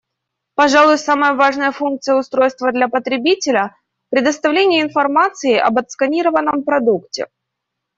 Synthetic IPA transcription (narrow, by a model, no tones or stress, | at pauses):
pɐʐalˠʊjʊsaməjəvaʐnəjəfunk̚t̪sɨjəʊst̪ɾo̞jst̪vəd̪lʲapət̪ɾʲɪbʲitʲɪlʲə | pɾʲɪd̪əst̪ɐvlʲenʲɪjəɪnfɐrmat̪sɨɪʔɐ̰bət̪skɐnʲiɾəvənːəmpɾɐd̪uktʲɪ̰